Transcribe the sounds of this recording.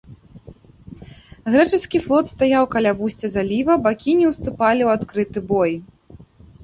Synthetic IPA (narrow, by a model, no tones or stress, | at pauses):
ɣɾɛt͡ʂɨskʲiflˠɔt̪st̪ajawkalʲavusʲt͡sʲɐzalʲivɐbakʲinʲɛwst̪upalʲiwat̪kɾɨt̪ɨbɔj